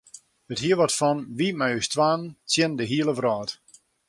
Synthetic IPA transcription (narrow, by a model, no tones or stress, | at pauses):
əthiəʋɔtfɔnʋimajystʰʋaːnt͡sjɪndəɦiəlˠəvrɔːt